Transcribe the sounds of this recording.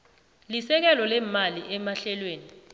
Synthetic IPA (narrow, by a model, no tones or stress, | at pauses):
lisɛk̬ɛlɔlɛmaliʔɛmaɬɛlweːni